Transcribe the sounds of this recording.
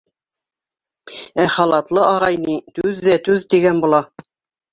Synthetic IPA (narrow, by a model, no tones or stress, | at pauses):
æχɑlˠɑt̪lˠɤʔɑʁɑjnit̪ʉðːæt̪ʉðt̪iɡænbulˠɑ